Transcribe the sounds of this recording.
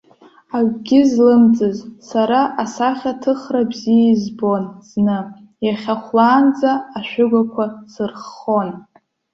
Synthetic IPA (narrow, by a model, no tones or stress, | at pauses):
aɥʷɡʲɪzlɨmt͡sʼɨzsaɾaʔasaχʲatʰɨχrabzijaizbo̞nz̥nɨ | jaχʲaχʷlaːnd͡zaːʃᶣʏɡʷakʷʰasɨrχo̞n